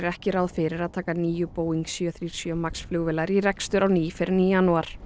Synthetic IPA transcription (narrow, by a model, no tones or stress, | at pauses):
ɾɛhcɪɾaðfɪɾɪɾaðt̪ʰaːkaniːjʏpoːwiŋksjœθɾiːɾ̥sjœmaksflʏɣvɪlaɾiɾɛkst̪ʏɾawniːfɪɾnijanuaɾ̥